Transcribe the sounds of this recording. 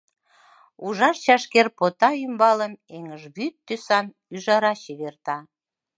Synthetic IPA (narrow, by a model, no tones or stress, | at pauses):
uʒɑʃt͡ɕɑʃkerpot̪ɑymbɑləmeŋəʒβyt̪ːysɑn | yʒɑɾɑɕeβert̪ɑ